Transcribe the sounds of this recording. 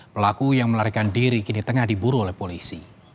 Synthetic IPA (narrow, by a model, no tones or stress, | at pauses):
pəlakujaŋməlaɾikandiɾikinit̪əŋahdibuɾuolɛhpolisi